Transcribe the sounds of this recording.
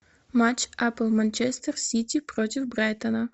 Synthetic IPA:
mat͡ʃʔapəlˠmanʲt͡ʃɛst̪ərsʲit̪ʲipɾot̪ʲɪfbɾajt̪ənə

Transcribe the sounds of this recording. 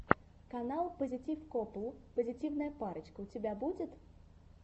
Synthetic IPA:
kanalˠpəzʲit͡sʲifkɔplˠpəzʲit͡sʲiwnəjɐpaɾɐt͡ʃkəut͡sʲɪbʲabud͡zʲɪt̪

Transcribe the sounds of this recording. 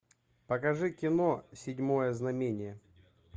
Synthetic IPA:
pɐkɐʐɨkʲɪnosʲɪdʲmo̞jəznɐmʲenʲɪjə

